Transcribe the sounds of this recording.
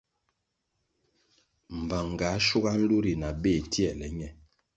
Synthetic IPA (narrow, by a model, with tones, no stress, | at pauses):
m̩˨ba˨ŋ˨ɡa˨˦ʃu˦ɣa˦n̩˦lu˦ɾi˨na˨be˦˨tjɛ˦˨lɛ˨ɲɛ˨